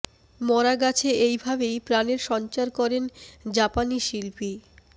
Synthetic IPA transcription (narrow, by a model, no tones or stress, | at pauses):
mɔɾaɡat͡ɕʰeejbʱabejpɾaneɾʃɔnt͡ɕaɾkɔɾend͡ʑapaniʃilpi